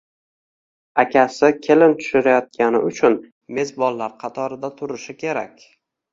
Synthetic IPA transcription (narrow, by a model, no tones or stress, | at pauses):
akʲʰasɪkʲʰelɪnt̪ʰʊ̥ʃɪɾajɒt̪̚kʲanɪ̰ʊt͡ʃʰʊn | me̞zbɒlːaɾqʰɑt̪ʰɒɾɪd̪at̪ʰʊɾɪʃɪkʲʰe̞ɾa̰kʲ